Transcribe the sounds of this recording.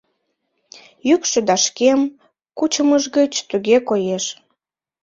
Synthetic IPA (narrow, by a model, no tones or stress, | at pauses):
jykʃĕd̪ɑʃkem | kut͡ɕəməʒɣət͡ɕt̪yɣekojeʃ